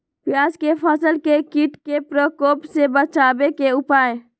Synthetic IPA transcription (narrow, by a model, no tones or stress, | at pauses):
pjaːd͡ʒkepʰəsəlkekiʈkepɾəkoːpsebət͡ʃaːbekeʊpaːẽ